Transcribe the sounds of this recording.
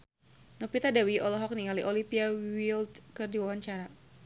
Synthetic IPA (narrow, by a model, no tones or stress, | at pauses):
nɔpit̪adawiɔlɔɦɔk̚niŋaliʔɔlimpiawild̪kərdiwawaɲt͡ʃaɾa